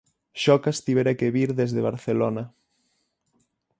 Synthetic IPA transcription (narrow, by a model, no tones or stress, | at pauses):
ʃɔkast̪iβeɾakeβiɾðezðeβ̞a̰ɾθelona